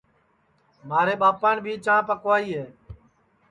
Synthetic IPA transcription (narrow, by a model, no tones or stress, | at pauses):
maːɾeːɓaːpaːɳbʱiːt͡ʃãːpəkʋaːiːɦeː